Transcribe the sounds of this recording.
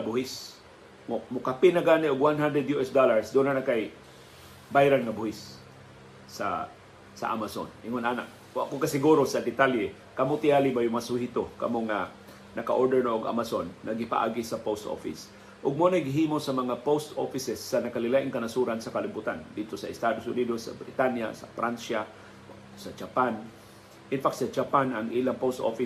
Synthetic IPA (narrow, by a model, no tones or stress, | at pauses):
abʊhɪs | ʊmʊkapɪnaɡaːnɪʔʊɡwanɦand̪ɾɛd̪juʔɛsd̪olaɹsd̪ʊnanakaj | bajɾanŋabʊhɪsː | a̰ | sa̰ʔa̰maso̰nɪŋonʔaːna̰ʔ | ʊakokasɪɡuɾosad̪ɪt̪aljɛ | kamot̪ɪʔaːlɪbajʊmasuhit̪oka̰moŋa | nɐka̰ʔoɹd̪ɛɹnoʔoɡa̰masonːɐɡɪpa̰ʔa̰ːɡɪsɐpost̪o̰fɪ̰s | ʔʊɡ̚monajɡɪɦiːmosɐmɐŋapost̪ʔo̰fɪsɛsːɐnɐkɐlɪlaʔɪŋkɐnasuɾansɐkɐlɪbut̪and̪it̪osɐʔɪst̪aːd̪osʊnid̪osɐ̰bɾɪt̪anjasɐ̰fɾanʃa | sɐd͡ʒapan | ʔɪnfakt̪sɐd͡ʒapanɐŋʔilaŋpost̪ʔo̰fɪ